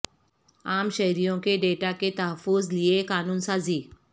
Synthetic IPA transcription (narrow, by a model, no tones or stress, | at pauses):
aːmɕɐɦɾijõkeɖeʈaket̪əɦəfːʊzliekaːnuːnsaːziː